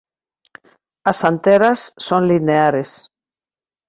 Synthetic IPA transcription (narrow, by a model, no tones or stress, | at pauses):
ɐsant̪eɾasːoŋlineaɾes